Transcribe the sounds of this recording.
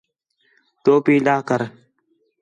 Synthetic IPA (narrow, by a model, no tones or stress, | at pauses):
t̪oːpiːɗ̪aːkəɾ